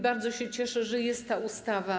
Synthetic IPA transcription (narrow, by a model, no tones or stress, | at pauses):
baɾd̪zɔɕɛt͡ɕɛʂɛʐɛjɛst̪ːaust̪ava